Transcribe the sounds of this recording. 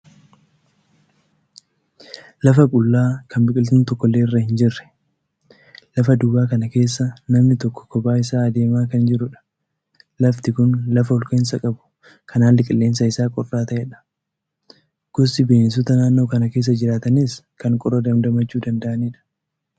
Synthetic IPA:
lɐfɐkʼʊlːaːkɐmbɪkʼɪlt̪unt̪ɔkːɔlːeːɪrːɐhɪnd͡ʒɪrːɛ̥ | lɐfɐd̪uːbaːkɐnɐke̞ːsːɐnɐmnɪt̪ɔkːɔ̥kːɔbaːɪsaːɐd̪e̞ːmaːkɐnd͡ʒɪɾʊᶑɐ̥ | lɐft̪ɪkʊnlɐfɐʊlkʼeːns̬ɐkʼɐbʊ̥ | kʰɐnaːlːɪkʼɪlːeːns̬ɐɪsaːkʼɔrːaːt̪ɐʔɛᶑɐ̥ | ɡ̥ɔsːɪbeːns̬ʊt̪ɐnaːnːo̞ːkɐnɐke̞ːs̬ːɐd͡ʒɪɾaːt̪ɐnis | kɐŋkʼɔɾɐd̪ɐmd̪ɐmɐt͡ʃːuːd̪ɐnd̪ɐʔɐniːᶑɐ̥

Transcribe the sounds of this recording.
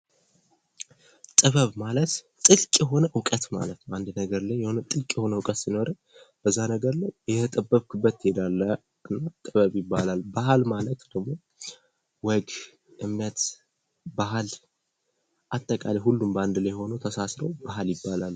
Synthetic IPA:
t̪ʼɨβəβmalət̪ | t̪ʼɨlkʼjɛɦo̞nəʔʊkʼət̪ma̰lət̪nəwand̪nəɡəɾlajɛhonət̪ʼɨlkʼjɛho̞nəwʊkʼət̪sino̞ɾə | b̥əzːanəɡəɾlajjɛt̪ʰət̪ʼəbːəβkʰɨbːət̪jed̪alːə | ɨnːat̪ʼɨβəβjɪbːalalbahalmalət̪d̪̥əɡmo̞ | wɔɡ | ʔɨmːjat̪ | baɦal | ʔat̪ʼːəkʼaliɦulːumband̪lajho̞nəwt̪ʰəsasɾəwbaɦaljɪbːalal

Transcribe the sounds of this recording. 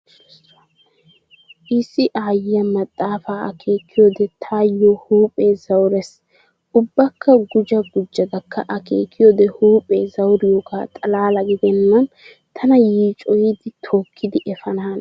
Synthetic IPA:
ʔɪsːɪʔaːjɪjɐmɐt̪ʼːaːfaːʔɐ̰kʰe̞ːkʰːɪjod̪ɛt̪ʰaːjːɔhuːpʼeːzɐwɾɛs | ʊbːɐkːɐɡʊd͡ʒɐɡʊd͡ʒːɐd̪ɐkːɐʔɐkḛːkʰːɪjɔd̪ɛhuːpʼeːzɐwɾɪjoɡaːt̪ʼɐlaːlɐɡɪd̪ɛnːɐn | t̪ʰɐnɐjiːt͡ʃʼɔjɪd̪ɪt̪ʰoːkʰːɪd̪ɪʔɛfɐnaːn

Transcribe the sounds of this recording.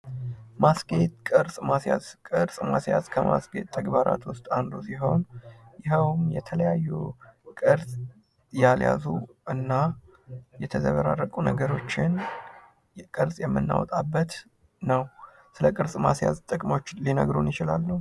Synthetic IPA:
masɡe̞t̪̚kʼɨɾsʼmasjazkʼɨɾsʼmasjazkʰəma̰sɡe̞t̪ʼːəɡbaɾʔa̰t̪wʊst̪ʼand̪usiɦo̞njɪɦəwmjɛt̪ʰələjajːukʼɨɾsʼ | jalja̰zuʔɨnːa | jɛt̪ʰəzəβəɾarːəkʼunəɡəɾo̞t͡ʃːɪn | kʼɨɾsʼjɛmːɨnːa̰wɔt̪ʼabːət̪ | nəw | sɨləkʼɨɾsʼmasja̰zt̪ʼɨkʼmo̞t͡ʃːlinə̰ɡɾunjɪt͡ʃɪlalːəw

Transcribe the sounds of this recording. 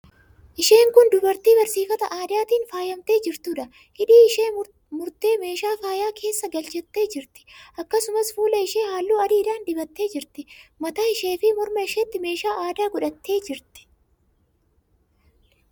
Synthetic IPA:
ʔɪʃeːŋkʊnd̪ʊbɐɾt̪iːbɐɾsiːfɐt̪ɐʔaːd̪ɪaːt̪iːnfaːjɐmt̪e̞ːd͡ʒɪɾt̪ʊᶑɐ | hɪᶑiːɪʃeː | mʊɾt̪e̞ːme̞ːʃaːfaːjaːkʰe̞ːsːɐɡɐlt͡ʃɛt̪ːe̞ːd͡ʒɪɾt̪ɪ̥ʔɐkːɐsʊmɐsfuːlɐɪʃe̞ːhaːlːuːɐd̪iːɾaːnd̪ɪbɐt̪ːe̞ːd͡ʒɪɾt̪ɪmɐt̪ɐɪʃe̞ːfɪmʊɾmɐɪʃet̪ːɪme̞ːʃaːʔaːd̪aːɡʊᶑɐt̪ːe̞ːd͡ʒɪɾt̪ɪ̥

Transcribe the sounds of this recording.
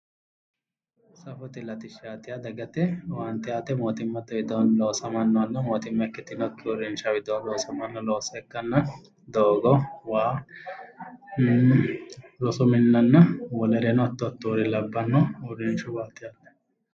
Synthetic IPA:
sɐfɔt̪ɪlɐt̪ɪʃːaːt̪ɪjad̪ɐɡɐt̪ɛwaːnt̪ɪjaːt̪ɛmoːt̪ɪmːɐt̪ɐwɪd̪onloːsɐmɐnːɔɐnːɐmoːt̪ɪmːɐɛkːɪt̪ːɪnɔkːɪʊɾɪnʃɐwɪd̪oːnloːsɐmɐnːɐloːsɐɛkːɐnːɐ | d̪oːɡɔwaː | lɔsɔmɪnːɐnːɐwɔlɛɾɛnɔt̪ːɔt̪ːuːɾɪlɐbːɐnːɔʊɾɪnʃʊbaːt̪ɪjaːt̪ːɛ̥

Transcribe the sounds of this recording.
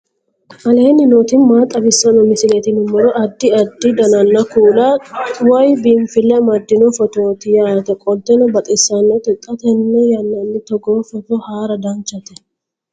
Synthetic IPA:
ʔɐle̞ːnːɪnoːt̪ɪnmaːt̪ʼːɐbɪsːɐnɔmɪsɪlɛt̪ɪnɪmːɔɾɔʔɐd̪ːɪɐd̪ːɪd̪ɐnɐnːɐkuːlawɔjbɪmfɪlːɛmɐd̪ːɪnɔfɔt̪oːt̪ɪjaːt̪ɛkʼɔlt̪ɛnɔbɐt̪ʼɪsːɐnːɔt̪ɪt̪ʼːɐt̪ɛnːɛjɐnːɐnːɪt̪ɔɡɔːfɔt̪ɔhaːɾɐd̪ɐnt͡ʃːɐt̪ɛ

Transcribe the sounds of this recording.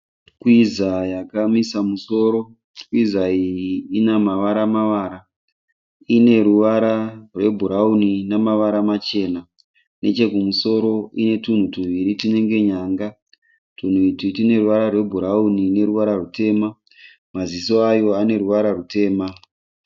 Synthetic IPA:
kwizajakamisamuso̞ːɾo̞ | kwizaijiːnamaʋaɾamaʋaɾa | ine̞ɾuʋaɾarwe̞bʱuɾauninamaʋaɾamat͡ʃe̞na | ne̞̰t͡ʃe̞kumuso̞ɾo̞ine̞tun̤utun̤uʋiɾitine̞ŋɡe̞ɲaːŋɡa | tun̤uititine̞ɾuʋaɾarwe̞bʱuɾaunine̞ɾuʋaɾarute̞ːma | maziso̞ajo̞ane̞ɾuʋaɾarute̞ːma

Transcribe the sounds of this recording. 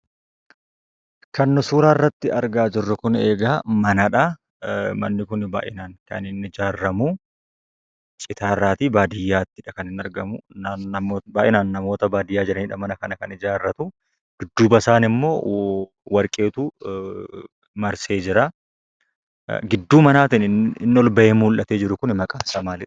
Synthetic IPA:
kɐnːʊsuːɾaːrːɐt̪ːɪɐɾɡaːd͡ʒɪrːɐkʊne̞ːɡaːmɐnɐᶑa | mɐ̰nːɪkʊnba̰ːʔɪnaːnkɐ̰nɪnɪd͡ʒaːrːɐmuː | t͡ʃʼɪt̪aːrːaːt̪iːbaːd̪ɪjːaːt̪ːɪᶑɐkɐnɪnɐɾɡɐmʊɐɐːbaːʔɪnaːnːɐmo̞ːt̪ɐbaːd̪ɪjːaːd͡ʒɪɾɐniːᶑɐmɐnɐkɐnɐkɐnɪd͡ʒaːrːɐt̪u | ɡ̥ɪd̪ːuːbɐsaːnɪmːo̞ː | wɐɾkʼe̞ːt̪uː | mɐɾse̞ːd͡ʒɪɾa | ɡɪd̪ːuːmɐnaːt̪ɪnɪɪnːɪɔlbɐʔeːmuːlʔɐt̪e̞ːd͡ʒɪɾʊkʊnmɐkʼaːsaːmaːlɪᶑɐ̥

